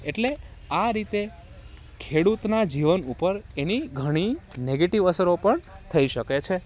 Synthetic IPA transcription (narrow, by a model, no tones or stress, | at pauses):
eʈleaɾit̪e | kʰeɽut̪nad͡ʒiʋənupəɾeniɡʱəɽ̃ineɡeʈiʋəsəɾopəɳt̪ʰəiʃəket͡ʃʰe